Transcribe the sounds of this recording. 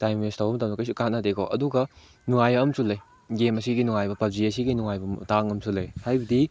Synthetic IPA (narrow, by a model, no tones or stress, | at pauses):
tajmestʰawbɐmt̬ɐmnɐkɐjsukanadekɔ̰ʔɐduɡɐ | nuŋajɐːmsulːɐj | ɡemɐsiɡinuŋajbɐpɐb̚ziɐsiɡinuŋajbɐmtaŋɐmsulːɐjhajbɐdi